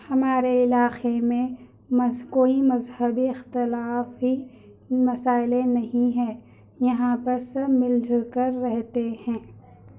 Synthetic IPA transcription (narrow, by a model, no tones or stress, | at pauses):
hɐmaːɾeɪlaːxemẽ | mɐkoːimɐzhəbiɪxt̪ɪlaːfɦi | mɐsaːɪlẽnɐɦĩɦɛ̃ː | jɐɦãpɐɾsɐmɪld͡ʒʱkəɾːɛɦt̪ehɛ̃ː